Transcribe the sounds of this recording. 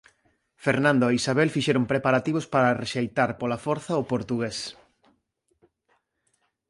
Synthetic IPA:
feɾnãnd̪oeisaβelfiʃeɾʊmpɾepaɾat̪iβospaɾareʃejt̪aɾpolafɔɾθɐʊpoɾt̪uɣes

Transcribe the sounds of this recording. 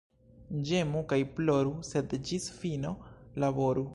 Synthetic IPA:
d͡ʒe̞mukajploɾuse̞dd͡ʒisfino̞labo̞ɾu

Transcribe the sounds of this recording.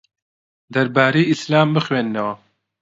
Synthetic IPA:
d̪ɐɾbaːɾeːislaːmbɨxweːnnɛwɐ

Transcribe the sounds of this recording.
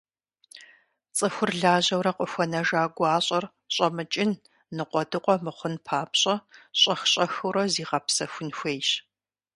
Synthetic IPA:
t͡sʼɨxʷʊrɮaːʑɐwɾɐqʷʼɔxʷɔnɐʒaːɡʷɑːɕʼɐr | ɕʼɐmɨt͡ʃʼɪn | nɨqʷɔdɨqʷʼɔmɨχʷʊnpʰaːpɕʼɐɕʼɐxɕʼɐxɨwɾɐziːʁɐpsɐxʷʊnxʷeːjɕ

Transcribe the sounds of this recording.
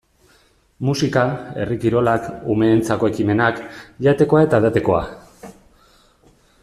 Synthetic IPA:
musikae̞̰rikiɾo̞lakume̞ːnt͡sako̞e̞kime̞nakʎat̪e̞ko̞ae̞t̪aðat̪e̞ko̞a̰

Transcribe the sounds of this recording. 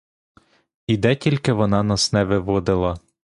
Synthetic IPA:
id̪ɛtʲilʲkɪʋɔnɑnɐsnɛʋɪʋɔd̪ɪlˠɐ

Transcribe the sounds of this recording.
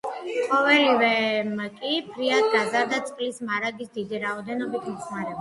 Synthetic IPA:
qʼɔvɛlivɛmkʼipʰɾiad̪̚ɡazaɾd̪at̪sʼqʼlismaɾaɡisd̪id̪iɾaɔd̪ɛnɔbit̪ʰmɔsmaɾɛba

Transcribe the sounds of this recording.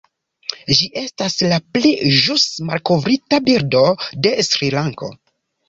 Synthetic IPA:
d͡ʒiʔe̞staslapliʒusma̰lko̞vɾitabiɾdo̞de̞sɾilaŋko̞̰

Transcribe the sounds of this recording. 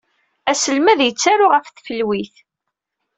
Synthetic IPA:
æsəlmæðjət͡sːaɾʊʁəfθfəlwiθ

